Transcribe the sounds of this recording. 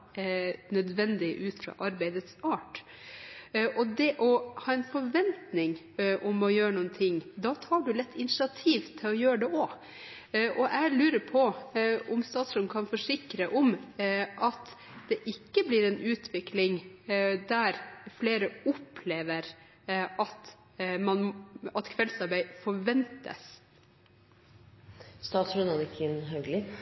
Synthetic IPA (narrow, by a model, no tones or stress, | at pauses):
nœd̪ʋɛnd̪ɪʔʉːt̪fɾɑ̰ʔɑɾbæɪd̪ət̪sɑːʈ | ʔɔd̪ɛʔɔhɑːɛnfɔɾʋɛnt̪nɪŋ | ʔɔmɔjøːɾəɳuːnt̪ʰɪŋːd̪ɑt̪ʰɑːɖʉlɛt̪ːɪnɪʃɪɑt̪ʰiːʋt̪ʰːɪlɔjøːɾəɖɛʔɔ | ʔɔʔæɪlʉːɾəɾpʰɔʔɔmst̪ɑːt̪sɾɔkʰɑnfɔʂɪkɾəʔɔmʔɑt̪ | d̪̥ɛʔɪkːəblɪɾɛnʉːt̪ʰʋɪklɪŋd̪æɾfleːɾəʊpːʰleːʋəɾ | ɑt̪ | mɑnɑt̪kʰʋɛlsɑɾbæɪfɔɾʋɛnt̪ə̰s | st̪ɑːt̪sɾɔnɑnɪkʰɪnɦœɡlɪ